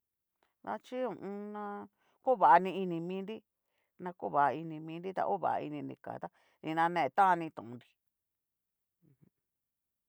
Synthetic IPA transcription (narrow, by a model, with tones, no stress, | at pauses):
ða̰˦t͡ʃi˦ũ˧˨ʔũ˧nã˧ | ko˦˨βa˨a˧nĩ˧i˧nĩ˧mĩː˦nɾi˦ | nã˧ku˦βa˨ʔa˧i˧nĩ˧mĩ˧˦nɾi˦t̪a̰˧ʔo˦βa̰˨ʔa˧ḭ˧nĩ˧nḭ̃˧˨ka̰˨t̪a˦ | nĩ˧nã˧nẽ˦˧e˧t̪ã˦˧nĩ˧t̪ũ˨ʔũ˧nɾi˧ | ũ˧h